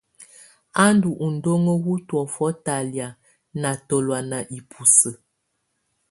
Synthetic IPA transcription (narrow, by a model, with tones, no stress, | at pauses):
a˦ndu˨ʔu˨n̩˨do˦ŋə˦ɣu˦twɔ˨fɔ˦ta˨lja˨ | na˨to˨lwa˨na˨ʔi˨pʰu˨sə˨